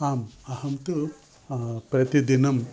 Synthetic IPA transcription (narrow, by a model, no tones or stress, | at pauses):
aːmɐhɐmt̪ɨ | pɾɐt̪id̪inɐm